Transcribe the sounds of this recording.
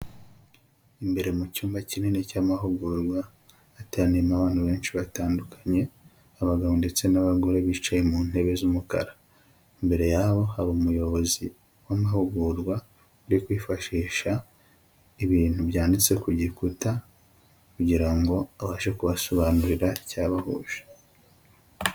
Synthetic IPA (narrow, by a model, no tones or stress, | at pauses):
imbe̞ɾe̞mucuːmbacinenecaːmaɦuɡuɾɡwaː | tanimaβaːn̥huβe̞ːnʃiβataːndukʰḁɲe̞ | aβaɡaβonde̞t͡se̞naβaɡo̞ɾe̞βit͡ʃajemuːn̥e̞βe̞zumuka̰ɾḁ | imbe̞ɾe̞jaːβo̞haβomujo̞βo̞zi | wamahuɡuɾɡwa | uɾikwiːfaʃiːʃa | iβiːn̥huβjaːndit͡se̞kuɟikuta | kuɟiɾaŋɡo̞aβaːʃekuβaso̞βaːnuɾiɾaicaːβahṵːʒe̥